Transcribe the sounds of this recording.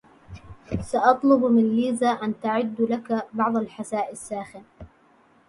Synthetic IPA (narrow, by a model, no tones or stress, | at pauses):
saʔɑt̪ˤlʊbmɪnliːzaːʔant̪aʕɪd̪ːlakabɑʕðˤalħasaːʔɪsːaːxɪn